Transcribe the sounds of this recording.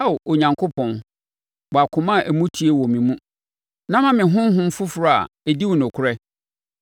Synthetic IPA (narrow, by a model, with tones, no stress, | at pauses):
a˦˨ʔo˨ɲã˨ŋkʰo˦pʰɔ̃˨n | wɔ˨a˨kʰʊ̃˨mã˦˨ʔæ˨mũ˦tʰi˨˦e˦wɔ˨mĩ˨mũ˦ | nã˦mã˦mɪ̃˨ɦʊ̃˦m˦ɦʊ̃˦m̩˦fʊ˦fʊ˨ɾɔ˦˨a̰˨ | e˨di˦wʊ̃˨nʊ̃˨kʰʊ˦ɾɛ˦